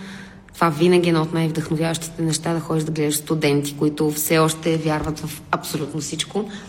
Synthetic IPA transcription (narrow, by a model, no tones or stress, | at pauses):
t̪ovavinəɡʲiɛnɐot̪najvd̪ɐxnovjavəʃt̪i̥t̪ɛnɛʃt̪ad̪ɐxɔd̪iʒd̪ɐɡlɛd̪iʃst̪ʊd̪ɛnt̪i̥koit̪ʊfsɛɔʃt̪ɛvʲjaɾvət̪vɐfɐpsolʲut̪nosit͡ʃko